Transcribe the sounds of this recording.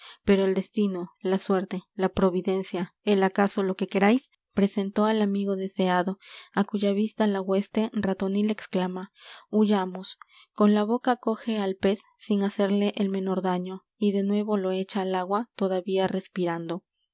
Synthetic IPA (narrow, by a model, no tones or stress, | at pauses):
pe̞ɾo̞eld̪e̞st̪ino̞laswe̞ɾt̪e̞lapɾo̞βiðe̞nsjaelakaso̞lo̞ke̞ke̞ɾajs | pɾe̞se̞nt̪o̞alamiɣo̞ðe̞se̞aðo̞akuʝaβist̪alaɣwe̞st̪e̞rat̪o̞nile̞ksklamauʝamo̞s | ko̞nlaβo̞kako̞xe̞alpe̞sːiŋase̞ɾle̞ʔelmẽ̞no̞ɾðaɲo̞ | iðe̞nwe̞βo̞lo̞e̞t͡ʃaːlaɣwat̪o̞ðaβiare̞spiɾand̪o̞